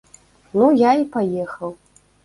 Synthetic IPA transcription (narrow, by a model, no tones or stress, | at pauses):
nujaipajɛxɐw